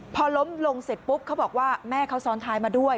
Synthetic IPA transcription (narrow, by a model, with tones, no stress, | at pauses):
pʰɔː˧lo˦˥mlo˧ŋse˨˩t̪̚pu˦˥p̚kʰa˦˥wbɔː˨˩k̚waː˥˩mɛː˥˩kʰa˦˥wsɔː˨˦˥nt̪ʰaː˦˥jmaː˧du˥˩əj